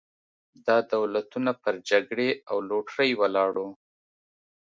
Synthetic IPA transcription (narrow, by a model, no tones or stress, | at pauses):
d̪ɑd̪awlat̪unapəɾd͡ʒaɡɽeawloʈɾəjwalɑɽu